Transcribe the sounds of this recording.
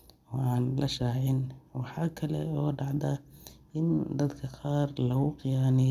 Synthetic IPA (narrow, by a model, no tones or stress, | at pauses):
ɔɑːnlʔɐʃaːʕɪnwɑħɑːkʰɐlɛ̰ɔːɖɑʕd̪ɐɪnd̪ɐd̪kʰɐqɑːrlɐɣʊqɪjaːnɪ